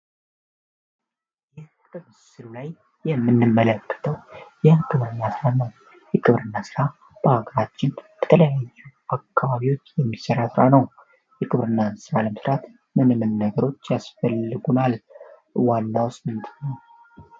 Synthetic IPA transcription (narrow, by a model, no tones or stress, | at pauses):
jɪh | kʼɨβ | sɨlulajː | ɛmːɨnːɨmːələkːə̥t̪ʰəwjakʰʼɨβɾɨnːasɨɾanəw | jɛkʼɨβɾɨnːasɨɾa | b̥əhaɡəɾat͡ʃːɪnb̥ə̥t̪ʰələjajːuakʰːaβaβiwo̞t͡ʃːjɛmːisəɾasɨɾanəw | jɛkʼɨβɾɨnːasɨɾaləməsɾat̪ | mɨnɨmɨnːəɡəɾo̞t͡ʃːjasfəlːɨɡunal | wanːawsmɨnt̪ʰɨnəw